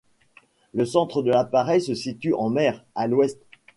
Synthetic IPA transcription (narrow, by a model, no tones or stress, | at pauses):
ləsɑ̃t̪χəd̪əlapaʁɛjsəsit̪yʔɑ̃mɛʁalwɛst̪